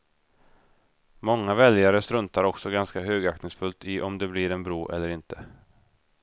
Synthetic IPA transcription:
mɔŋːavɛljaɾəst̪ɾɵnt̪aɾɔksɔɡanskaɦøːɡaktnɪŋsfɵlt̪ɪʔɔmd̪ɛblɪɾɛnbɾoːʔɛ̰lːəɾɪnt̪ʰə

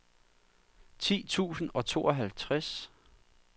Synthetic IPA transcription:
t͡sʰḭːt͡sʰṵːsn̩ɒ̽t͡sʰo̝̰ːɒɦælt͡sʰʁas

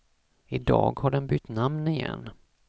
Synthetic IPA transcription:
ɪd̪ɑ̰ːɡhaɖɛnbʏt̪ːnamnɪjɛ̰nː

